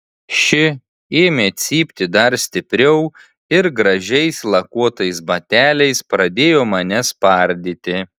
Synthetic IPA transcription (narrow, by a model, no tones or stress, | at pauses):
ʃʲɪ | eːmʲeːt̪sʲiːpʲt̪ʲɪd̪ɐɾsʲt̪ʲɪpʲɾʲɛʊ | ɪɾɡɾɐʒʲɛɪslˠɐkuɔt̪ɐɪsbɐt̪ʲæːlʲɛɪspɾɐd̪ʲeːjoːmɐnʲɛspɐˑɾʲd̪ʲɪt̪ʲɪ